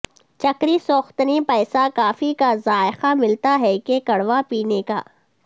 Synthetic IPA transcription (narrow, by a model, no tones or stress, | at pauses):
t͡ʃɐkɾisoːxt̪nipɛːsakaːfikazaːɪxamɪlt̪aɦɛkekɐɽʋapiːneka̰ː